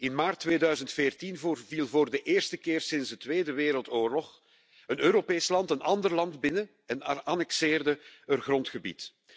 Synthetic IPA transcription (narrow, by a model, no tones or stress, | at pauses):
ɪnmaːrtːʋeːdœɥzəntfeːrtinvvilˠvoːrdəʔeːrstəkɪːrsɪnzdətʋeːdəʋeːɾəlˠtoːrlɔx | ənøːɾopeːslɑntənʔɑndərlɑndbɪnə | ɛnaːnɛksɪːrdəərɣrɔntxəbḭt